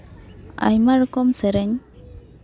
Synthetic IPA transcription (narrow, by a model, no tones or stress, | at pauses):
a̰jmaɾkɔmsɛɾɛɲ